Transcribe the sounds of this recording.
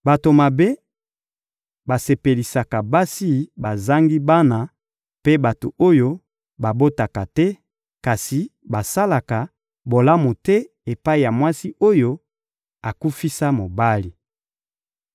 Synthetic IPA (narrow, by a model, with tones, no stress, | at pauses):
ba˨to˨ma˨be˦ | ba˨se˨pe˨li˨sa˨ka˨ba˦si˦ba˨za˦ŋɡi˦ba˦na˨ | pe˦ba˨to˨o˦jo˦ | ba˨bo˦ta˨ka˨tɛ˦ | ka˨si˨ba˨sa˦la˨ka˨ | bo˨la˦mo˨tɛ˦ | e˨pa˦i˨ja˨mwa˦si˦o˦jo˦ | a˨ku˦fi˦sa˦mo˨ba˦li˨